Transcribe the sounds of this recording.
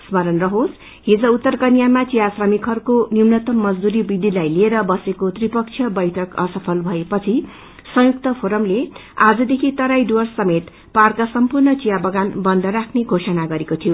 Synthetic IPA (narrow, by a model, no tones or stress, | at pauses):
smʌɾʌnrʌɦos | ɦid͡zʌut̪ːʌrkʌnjamat͡sijasrʌmikʰʌrkoniumnʌt̪ʌmːʌd͡zd̪uɾibid̪ʱilajlieɾʌbʌsekot̪ripʌk̚t͡sʰjʌbʌjʈʰʌkʌ̰sʌpʰʌlbʱʌepʌt͡sʰi | sʌ̃juk̚t̪ʌpʰoɾʌmle | ad͡zʌd̪ekʰit̪ʌɾajɖwʌrsʌmet̪ | parkasʌmpurnʌt͡sijabʌɡanbʌnd̪ʱʌɾakʰneɡʱosʌnaɡʌɾekot̪ʰijo